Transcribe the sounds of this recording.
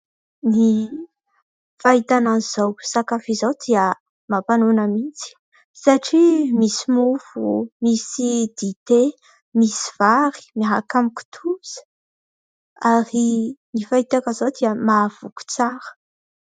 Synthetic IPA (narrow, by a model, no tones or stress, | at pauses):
ni | faɦit̪ananiz̥owsakafizowd̪iə | mapanunəmit͡si̥ | saʈ͡ʂimisimufumisid̪̥it̪e | misiv̥aɾi̥miɦakamiku̥t̪ʰuz̥ə̥ | aɾinifaɦit̪akazowd̪iəmav̥uku̥t͡saɾə̥